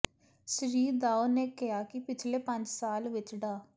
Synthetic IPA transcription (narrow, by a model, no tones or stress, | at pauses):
səɾiːɾd̪aːoːneːkɪɦaːkɪpɪt͡ʃʰleːpə̃ɲd͡ʒsaːlʋɪt͡ʃɖaː